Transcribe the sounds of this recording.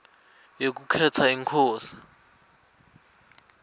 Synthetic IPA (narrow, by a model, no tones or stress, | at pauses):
jok̬ukʰɛtʰaiŋkʰɔːsi̥